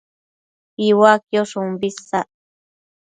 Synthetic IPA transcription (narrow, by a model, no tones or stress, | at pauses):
iwakjoʂumbisa